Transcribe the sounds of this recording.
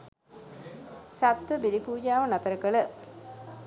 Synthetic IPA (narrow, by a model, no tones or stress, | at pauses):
sat̪ʋəbiɾipuːd͡ʒaːʋənat̪əɾəkəɭə